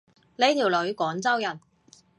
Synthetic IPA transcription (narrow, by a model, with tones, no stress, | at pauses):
le˨˧jt̪ʰiː˨˩wlɵ˨˧ɥkɔː˨˥ŋt͡sɐ˥wjɐ˨˩n